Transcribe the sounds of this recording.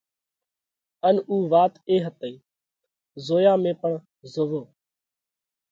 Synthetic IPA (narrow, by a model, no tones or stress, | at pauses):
ənuːʋaːt̪eːɦət̪əiː | zoːjãːmẽːpəɳ | zoʋoː